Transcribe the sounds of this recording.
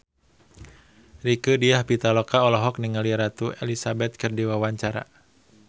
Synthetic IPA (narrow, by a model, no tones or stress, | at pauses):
rikədiahpit̪alɔkaɔlɔɦɔk̚niŋaliɾat̪uḛlisabɛt̪̚kɨrdiwawaɲt͡ʃaɾa̰